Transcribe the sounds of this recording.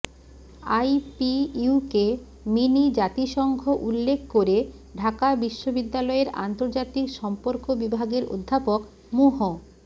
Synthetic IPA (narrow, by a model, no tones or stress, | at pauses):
ajpiuke | minid͡ʑat̪iʃɔŋɡʱoʔulːekʰkoɾe | ɖʱakabiʃːobid̪ːalɔeɾa̰nt̪oɾd͡ʑat̪ikʃɔmpoɾkobibʱaɡeɾo̰d̪ʱːapok | moɦo